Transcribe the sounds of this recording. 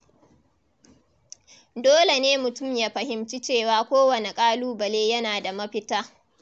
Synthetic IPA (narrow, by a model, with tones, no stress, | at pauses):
doː˦le˨neː˦mʊ˨tʊ˦˨mjaː˦ɸɐ˨hɪ˨mt͡ʃi˦t͡ʃeː˦˨waː˦kʷoː˦wɐ˨ne˨kʼaː˦luː˦bɐ˨leː˦jɐ˦naː˨da˨mɐ˦ɸɪ˦taː˦